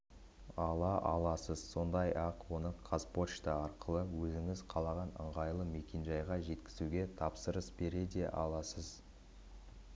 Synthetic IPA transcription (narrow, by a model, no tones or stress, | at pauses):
ɑlˠɑʔɑ̰lˠɑsəzso̞nd̪ɑjɑqwo̞nəqʰaspo̞ʃt̪ɑɑɾqəlˠəwɵzɪŋɪzqʰɑlˠɑʁɑnə̰ɴʁɑjlˠəme̞kʲe̞nʒɑjʁɑʒe̞t̪kʲɪzuɡʲe̞t̪ʰɑpsəɾəsbe̞ɾe̞d̪e̞ʔɑ̰lˠɑsəz